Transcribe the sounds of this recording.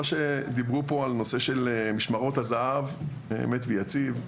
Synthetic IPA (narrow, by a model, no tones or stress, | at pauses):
aʃe̞d̪ibʁupo̞alno̞se̞ʃe̞lmiʃmaʁo̞t̪hazaav | eḛmet̪vejat͡siv